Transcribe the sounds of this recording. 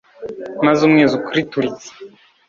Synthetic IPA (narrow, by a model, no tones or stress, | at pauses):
mazumŋeːzukuɾituɾit͡si̥